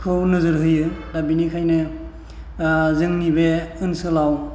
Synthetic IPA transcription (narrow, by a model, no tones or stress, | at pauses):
kʰɯwnɯzɯɾɦɯjɯdabinikʰajnɯ | zɯŋnibeɯnsɯlaw